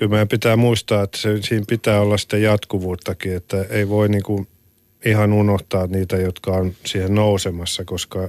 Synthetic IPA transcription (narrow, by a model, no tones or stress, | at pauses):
kylmæːpit̪æːmuist̪ɑːet̪ːæ̥sesiːmpit̪æːolːɑsi̥t̪ːejɑt̪kuʋuːt̪ːɑkiet̪ːæeiʋoiniːŋku | ihɑnunoht̪ɑːniːt̪æjot̪kɑonsiːhennousemɑsːɑkoskɑ